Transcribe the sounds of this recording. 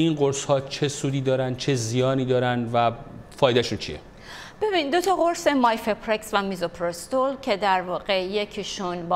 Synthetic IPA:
inɢoɾshɒːt͡ʃʰe̞suːd̪iːd̪ɒːɾænt͡ʃʰe̞zijɒːniːd̪ɒːɾænvæfɒːjd̪æʃuːnt͡ʃʰḭjḛ | b̥e̞binind̪ot̪ʰɒɣo̞ɾsemɒjfepʰɾeksvæmizopʰɾost̪olcʰe̞d̪æɾvɒːɣe̞je̞cʰiʃunb

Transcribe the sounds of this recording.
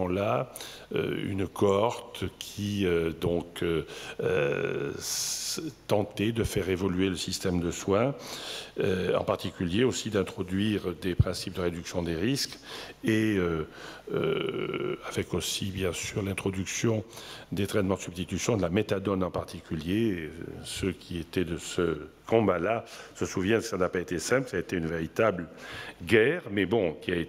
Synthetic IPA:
ɑ̃la | ø̰y̰nkʰɔʁt̪kʲʰiød̪ɔ̃køø | t̪ɑ̃t̪ɛd̪əfɛʁevɔlyeləsist̪ɛmd̪əswɛ̃ | øɑ̰̃paʁt̪ikʲyljeosid̪ɛ̃t̪χɔd̪ɥiʁd̪epχɛ̃sip̚d̪əʁed̪yksjɔ̃d̪eʁiskeøø̰ | avɛkosibjɛ̃syʁlɛ̃t̪χɔd̪yksjɔ̃d̪et̪χɛnmɑ̃d̪əsybst̪it̪ysjɔ̃d̪əlamet̪ad̪ɔnɑ̃paʁt̪ikʲylje | səkʲʰiet̪ɛd̪əsə | kɔ̃balasəsuvjɛ̃nsisanapaet̪esɛ̃plsaet̪eynveʁit̪ablɡɛʁmɛbɔ̃kʲiaet̪

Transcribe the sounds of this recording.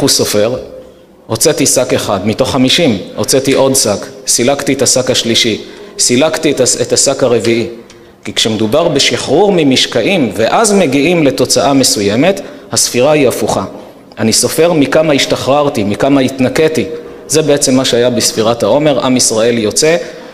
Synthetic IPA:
euso̞feʁ | ot͡setisakeχadmito̞χːamiʃimot͡se̞tiʔo̞dsaksilaktietasakhaʃliʃisilaktitetasakhaʁe̞viʔi | kikʃemedubaʁbeʃiχʁuʁmimiʃkaʔimve̞ʔazme̞ɡiimle̞to̞t͡saʔame̞suje̞me̞thasfiʁaiafuχa | aniso̞fe̞ʁmikamaiʃtaχʁaʁtimikamaitnake̞ti | ze̞be̞e̞t͡se̞mːaʃeajabesfiʁathao̞me̞ʁʔa̰misʁae̞ljo̞t͡se̞

